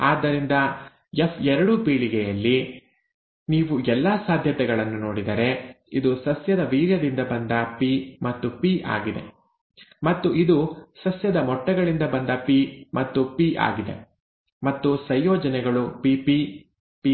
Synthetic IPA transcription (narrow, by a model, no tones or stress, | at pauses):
aːd̪ːɐɾind̪ɐ | efɛɾɐɽupiːɭiɡɛjɐlːi | niːʋuɛlːaːsaːd̪ʱjɐt̪ɛɡɐɭɐnːunoːɽid̪ɐɾe̞ | id̪usɐsjɐd̪ɐʋiːɾjɐd̪ind̪ɐbɐnd̪ɐpimɐt̪ːupiʔa̰ːɡid̪e̞̰ | mɐt̪ːuʔid̪usɐsjɐd̪ɐmɔʈːɐɡɐɭind̪ɐbɐnd̪ɐpimɐt̪ːupiʔa̰ːɡid̪e̞̰ | mɐt̪ːusɐjjɔːd͡ʒɐnɛɡɐɭupipi | pi